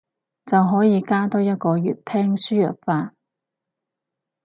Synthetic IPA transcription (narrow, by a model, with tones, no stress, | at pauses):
t͡sɐ˨wɦɔː˨˥jiː˨˧kaː˥t̪ɔː˥jɐ˥t̚kɔː˧jy̰ː˨˩t̚pʰɛː˥ŋsyː˥jœ̰ː˨k̚faː˧